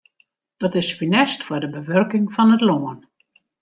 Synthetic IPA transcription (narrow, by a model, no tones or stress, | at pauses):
d̥ɔtɪsfinɛstfɔdəbəʋørkɪŋfɔnətloən